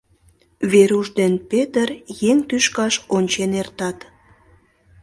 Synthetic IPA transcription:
βeɾuʒd̪enpet̪ərjeŋt̪yʃkɑʃonʲt͡ɕenert̪ɑt̪

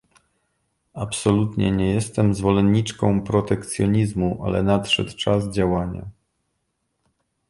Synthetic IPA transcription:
apsɔlut̪ɲɛ̰ɲɛjɛst̪ɛmzvɔlɛnːit͡ʂkɔ̃w̃pɾɔt̪ɛkt̪sjɔɲizmuʔa̰lɛ̰nat̪ʂɛ̰t̪t͡ʂazd͡ʑawaɲa̰

